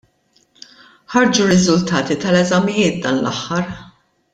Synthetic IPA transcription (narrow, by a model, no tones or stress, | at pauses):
ħɐɾd͡ʒuɾɪzʊlt̪ɐːt̪it̪ɐlɛzɐmɪjɪːt̪̚d̪ɐːnlʔɐ̰ħːɐɾ